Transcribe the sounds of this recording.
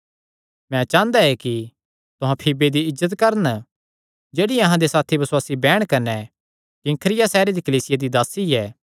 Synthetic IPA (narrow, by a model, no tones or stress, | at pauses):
mɛ̃t͡ʃãːnd̪aɛki | t̪ʊɦãpʰibed̪iɪzːət̪kɐɾən | d͡ʒeːɽiɐɦãd̪esaːt̪ʰibɐswaːsibɛːɽ̃kɐnɛ | kɪ̃ŋkʰɾɪjasɛːɾed̪ikɐliːsɪjad̪id̪aːsiɛː